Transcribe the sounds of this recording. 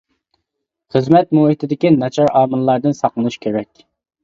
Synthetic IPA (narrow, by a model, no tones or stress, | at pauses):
χəzmɛt̪muhit̪ʰɪd̪ɪkʲinɑt͡ʃʰɑɾɑːmɨlˠlːˠɑɾd̪ɨnsɑqlˠɨnuʃkʲʰeɾɛkʲ